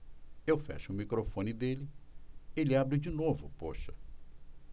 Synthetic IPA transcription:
ewfɛ̰ʃʊmikɾofõnɪd̪elɪ | elɪabɾɪd͡ʒinovʊ̰po̰ʃɐ̥

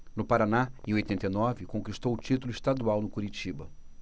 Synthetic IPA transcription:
nʊpaɾanaɪ̃ojt̪ẽnt̪ejnɔvɪkõkist̪owʊt͡ʃit̪ʊlʊist̪ad̪uawnʊkuɾit͡ʃibɐ

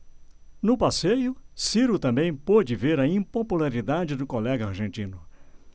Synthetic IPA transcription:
nʊpasejʊsiɾʊt̪ɐ̃mbẽj̃pod͡ʒɪveɾɐĩpopulaɾid̪ad͡ʒɪd̪ʊkolɛɡɐaɾʒẽnt͡ʃĩnʊ

